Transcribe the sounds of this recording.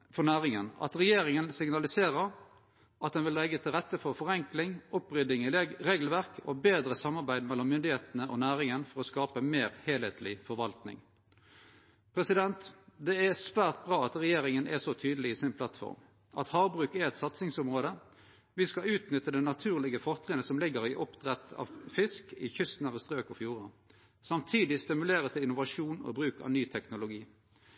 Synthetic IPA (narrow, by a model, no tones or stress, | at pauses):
fɔʁnæːʁɪŋənɑ̰t̪ʁɛjeːɾɪŋənsɪŋnɑlɪseːʁəʁ | ʔɑt̪̚d̪ɛnʋɪlːɛɡːət̪ʰɪlʁɛt̪ːəfɔʁfɔʁɛŋklɪŋɔpʁʏd̪ɪŋɪʁeːɡl̩ʋæʁkʰo̰ːbeːd̪ɾəsɑmːɑʁbæɪd̪mɛlːɔmːʏnd̪ɪheːt̪ənəʔo̰næːʁɪŋənfɔɾɔskɑːpəmeːɾheːlheːt̪ʰlɪfɔɾʋɑlt̪nɪ̰ŋ | pʰɾɛsɪd̪ɛnt̪d̪ɛæsʋæːʁt̪̚bʁɑːɑt̪ʁɛjeːʁɪŋənʔɛ̰sɔt̪ʰyːd̪əlɪisɪnpʰlɑt̪fɔ̰ʁm | ʔɑt̪hɑːbʁʉːkɛʁɛt̪sɑt̪sɪŋsʊmʁoːd̪ə | ʋɪskɑʉːt̪nʏt̪ːəd̪ɛnɑt̪ʰʉːʁlɪɡəfɔʁt̪ʰɾʁɛːənəsɔmlɪɡəɾɪʔɔpt̪ʁɛt̪ʰɑ̰ːʋfɪskɪçʏst̪nɑʋəst̪ʁøːkɔfjuːʁɑ | sɑmt̪ʰiːd̪ɪst̪ɪmʉleːʁət̪ʰɪlɪnʊʋɑʂuːnɔ̰bɾʉːkɑ̰ʋnyːt̪ʰɛknʊlʊɡiː